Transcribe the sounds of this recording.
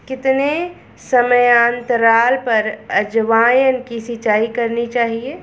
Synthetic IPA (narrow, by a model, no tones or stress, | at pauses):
kɪt̪ne | sɐməjaːnt̪əɾaːlpɐɾɐd͡ʒʋaːjənkisɪt͡ʃaːikɐɾnit͡ʃaːɦieː